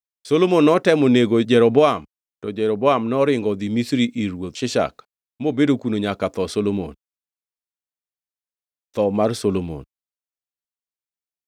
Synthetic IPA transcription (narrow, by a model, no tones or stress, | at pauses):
solomonːɔtɛmoneɡod͡ʒɛɾɔbɔam | tɔd͡ʒɛɾɔbɔamnɔɾɪŋɡɔd̪imisɾiʔiɾwot̪ʃɪʃa̰k | mobedokunoɲakat̪ɔsolomo̰n | t̪ɔmarsolomo̰n